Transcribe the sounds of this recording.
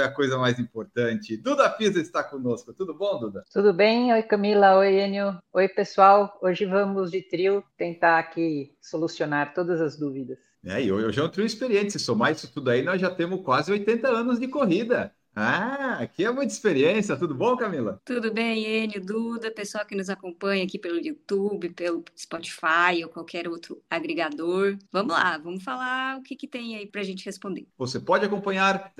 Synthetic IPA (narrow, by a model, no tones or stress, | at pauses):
fojɐkojzɐmajzĩmpoɾt̪ɐ̃t͡ʃɪd̪ud̪ɐfizɐɪst̪aɾkõnoskʊt̪ud̪ʊbõw̃d̪ud̪ɐt̪ud̪ʊbẽj̃ojkɐmilɐojẽnjʊojpesuawoʒɪvɐ̃mʊzd͡ʒɪt̪ɾiwt̪ẽnt̪aɾaki | solusionaɾt̪od̪ɐzɐzd̪uvid̪ɐs | nɛ̰ɪowewʒaẽt̪ɾĩw̃ispeɾiẽnt͡ʃ̪ɪsɪsomaisʊt̪ud̪ʊainɔzʒat̪ẽmʊskwazɪojt̪ẽnt̪ɐɐ̃nʊzd͡ʒɪkoɦid̪ɐ | aakiɛmũj̃t̪ispeɾiẽsjɐt̪ud̪ʊbõkamilɐt̪ud̪ʊbẽj̃enʊd̪ud̪ɐpesʊawkɪnʊzakõmpɐ̃ɲɐakipelʊjut̪ubɪpelʊɪspɔt͡ʃi̥fajokwawkʰɛɾowt̪ɾʊaɡɾeɡad̪oɾvɐ̃mʊla̰vɐ̃mʊfalaʊkɪkɪt̪ẽj̃aipɾɐʒẽnt͡ʃɪhespõnd̪eɾvosepɔd͡ʒɪakõmpɐ̃ɲaɾ